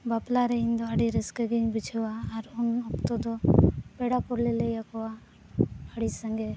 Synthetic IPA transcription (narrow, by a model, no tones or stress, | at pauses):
baplaɾɛiɲd̪ɔaɽiɾɛskɛɡiɲbit͡ʃʰɛwaːɾɔnɔp̚t̪ɔd̪ɔpɛɽapɔɾlɛlɛjakɔwa | aɽisaŋɡɛ